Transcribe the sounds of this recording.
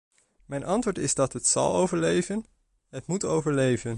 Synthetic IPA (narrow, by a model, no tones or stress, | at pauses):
mɛjnʔɑntʋoːɹtɪzdɑtɦətsɑ̰lˠo̰wvəɹlejvən | ɦətmutowvəɹlejvən